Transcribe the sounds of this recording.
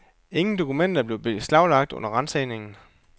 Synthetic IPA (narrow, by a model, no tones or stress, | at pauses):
e̝ŋn̩d̥o̝kʰumen̰d̥ɐb̥le̝ʊb̥e̝slɑ̈ʊlɑ̈ɡ̥̚d̥ɔ̽n̰ɐʁɑnseːne̝ŋn̩